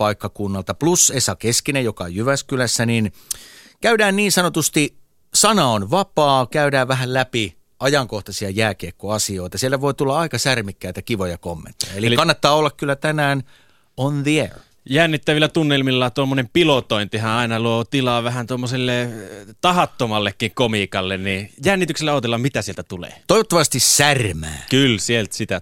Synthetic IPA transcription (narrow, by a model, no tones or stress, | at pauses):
pɑikːɑkunːɑlt̪ɑplusesɑkeskinejjokɑejyʋæskylæsːænin | kæydæːnniːnsɑnot̪ust̪i | sɑnɑonʋɑpɑːkæydæːʋʋæɦællæpi | ɑjɑŋkoht̪ɑsiɑjæːkeːkːoɑsio̞it̪ɑsielːæʋoit̪ulːɑɑikɑsærmikːæit̪ækiʋojɑkomːḛnt̪ːo̥jɑelikɑnːɑt̪ːɑːolːɑkkylːæt̪ænæːn | onðiḛɹ | jænːit̪ːæʋilːˑæt̪unːelmilːɑt̪uomːonempilot̪oint̪ihæ̃ɑˑinɑluoːt̪ilɑːʋæhænt̪omːoselːet̪ɑhɑt̪ːomɑlːekːiŋkomiːkɑlːennijænːit̪ykselːæɑˑːt̪elːɑmmit̪æsielt̪æt̪ulḛːt̪oiʋot̪ːɑʋɑst̪issærmæ̰ːkylsielt̪sit̪æ